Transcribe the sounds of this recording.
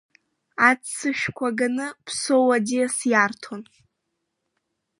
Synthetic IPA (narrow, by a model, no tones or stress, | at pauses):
at͡st͡sːɨʃᶣkʷʰaɡanɨpʰsowadiasjartʰon